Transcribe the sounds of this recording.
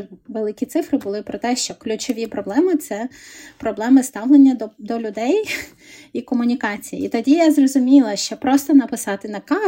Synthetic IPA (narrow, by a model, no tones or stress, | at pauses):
ʋelˠɪkʲit̪sɪfɾɪbʊlˠɪpɾɔt̪ɛʃt͡ʃɔklʲʉt͡ʃɔʋʲipɾɔblˠɛmɪt̪sɛpɾɔblˠɛmɪst̪ɑwlˠenʲːɐd̪d̪ɔlʲʊd̪ɛj | ikɔmʊnʲikɑt͡sʲijiḭt̪ɔdʲijazrɔzʊmʲilˠɐʃt͡ʃɔpɾɔst̪ɔnɐpɪsɑt̪ɪnɐkɑ